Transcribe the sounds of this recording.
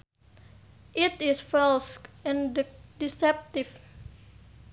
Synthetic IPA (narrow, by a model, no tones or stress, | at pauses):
ʔit̪ɪsfɛlskɛ̃nddisɛp̚t̪if